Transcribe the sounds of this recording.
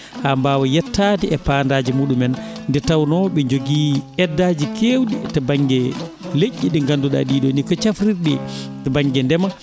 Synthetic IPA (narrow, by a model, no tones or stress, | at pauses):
hambawɔjɛtːatiʔɛpaːndaːd͡ʒimuːɗumɛnndɛtawnɔɓɛɲd͡ʒoɡiːɛdːaːd͡ʒikewɗitabaŋɡɛleʔːiɗɛŋɡanduɗa̰ɗiːɗɔnikɔt͡ʃafɾiɾɗɛtɛbaŋɡɛndɛma